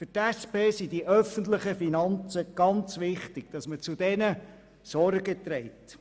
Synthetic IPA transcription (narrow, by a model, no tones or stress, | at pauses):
fʏtæspeːsidiʔœfəntləχəfinɑnt͡səɡ̥ɑnt͡sʋɪχtɪɡ̥̚d̥ɑsmət͡sudɛnə | sɔrɡət̪ɾɛɪt